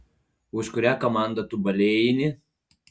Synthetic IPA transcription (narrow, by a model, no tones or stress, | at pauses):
ʊʃkʊɾʲækɔmɑˑnd̪ɐt̪ʊbɐlʲejnʲɪ